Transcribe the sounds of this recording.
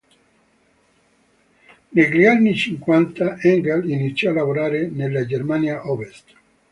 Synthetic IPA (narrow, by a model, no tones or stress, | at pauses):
neɡɾianːit͡ʃiŋkwant̪aʔɛŋɡalinit̪sːjɔalavoɾaːɾenelːad͡ʒermanjaʔɔvest̪